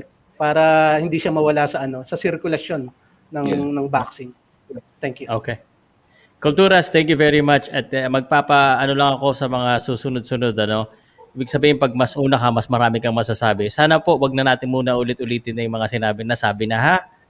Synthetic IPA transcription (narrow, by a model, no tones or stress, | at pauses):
paːɾɐhɪnd̪iʃamɐwɐlasɐʔɐno̞sɐsɪɾkʊlɐso̞nː | ɐŋnɐŋbaksɪŋ | t̪ɛŋkjuʔoke | kʊlt̪uːɾɐst̪ɛŋk̬juvɛɹimat͡ʃɐt̪mɐɡ̚paːpɐʔɐno̞lɐŋɐko̞sɐmɐŋasuːsʊnod̪̚sʊnod̪ɐno̞ | ʔiːbɪɡ̚sɐbiːhɪnpɐɡ̚mɐsʔuːnɐkɐmɐsmɐɾaːmɪkɐŋmɐɡsasaːbɪsaːnɐpo̞ʔwɐɡ̚nɐnaːt̪ɪnmuːnɐʔʊlɪt̪̚ʊliːt̪ɪnːɐjʊmɐŋasɪnaːbɪnɐsaːbɪnɐɦa